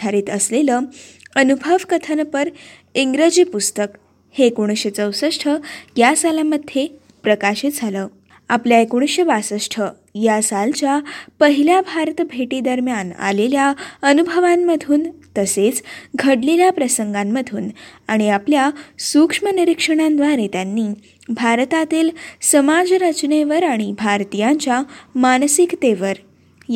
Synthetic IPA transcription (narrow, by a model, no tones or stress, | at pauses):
aɾiːt̪əsleləː | ənubʱəʋkət̪ʰənpəɾ | iŋɡɾəd͡ʑiːpust̪ək | heːkoɽ̃ɕet͡səwsəsʈʰəjasalaməd̪ʱje | pɾəkaɕit̪̚d͡zʱaləː | apljaekoɳ̃ɕeʋasəsʈʰə | jasalt͡ɕjapəɦiljabʱaɾt̪bʱeʈid̪əɾmjana̰leljaənubʱəʋamːəd̪ʱuːnt̪əset͡sɡʱəɽleljapɾəsəŋɡamːəd̪ʱuːnaɽ̃iapljasukʂməniɾikʂəɽ̃ãnd̪ʋaɾet̪janːiː | bʱaɾt̪at̪iːlsəmad͡zɾət͡ɕɳeʋəɾaɽ̃ibʱaɾt̪ijaɲt͡ɕjamansikt̪eʋəɾ